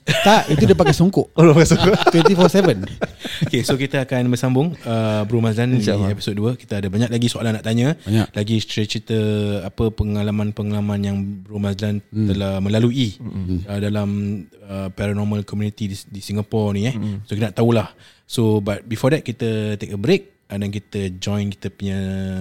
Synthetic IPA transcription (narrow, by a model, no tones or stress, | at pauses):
t̪aʔit̪udapaɡkajsoŋkɔʔodpaɡasoŋkoʔ̪wɛ̃nt̪ifɔsɛvənokesokit̪əakanbəsambʊŋəbɾumaslanepi̥sot̪̚duəki̥t̪aadəbaɲak̚laɡisoalanaʔt̪aɲə̃ɲlaɡist̪ɾɛt͡ʃit̪əapəpəŋalamãnpəŋalamãnjaŋbɾumaslant̪əlahmə̃laluiədalaməpɛɾanɔmalkɔmjunit̪iidisiŋapɔrnijɛsokit̪ənaʔt̪aulah | sobat̪̚bifɔdɛt̪̚kit̪ət̪ek̚əbɾek̚ | ədank̬it̪əd͡ʒɔ̃jnki̥t̪əpuɲə